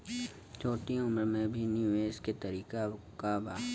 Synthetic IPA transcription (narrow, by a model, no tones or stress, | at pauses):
t͡ʃoːʈiʊmɾmẽbʱinjuːeːsket̪ɐɾiːka | kabaː